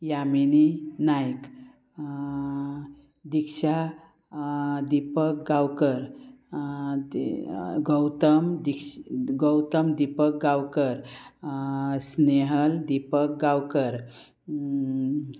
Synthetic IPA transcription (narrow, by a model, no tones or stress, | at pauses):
jamininajk | d̪ikʃa | d̪ipək̚ɡawkəɾ | ɡəwt̪əmd̪ikɡəwt̪əmd̪ipək̚ɡawkəɾ | sneɦəld̪ipək̚ɡawkəɾ